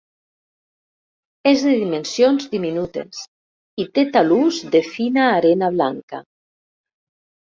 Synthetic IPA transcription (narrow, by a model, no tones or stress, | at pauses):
ezðeðimensijonzd̪iminut̪ḛs | it̪et̪aluzðefinaːɾenaβ̞la̰ŋka̰